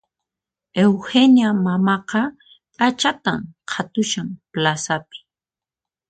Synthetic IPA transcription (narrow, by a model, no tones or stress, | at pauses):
ewhenjamamɑqɑ | at͡ʃat̪amqʰat̪ʊʃamplasapɪ̥